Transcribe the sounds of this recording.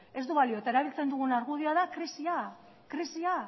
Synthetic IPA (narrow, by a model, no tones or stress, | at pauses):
e̞zd̪uβalio̞et̪ae̞ɾaβilt͡se̞nd̪uɣ̞unaɾɣuð̞iaðakɾisia | kɾisia